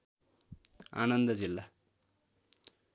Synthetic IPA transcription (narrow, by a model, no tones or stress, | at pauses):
a̰nʌnd̪ʌd͡zilːa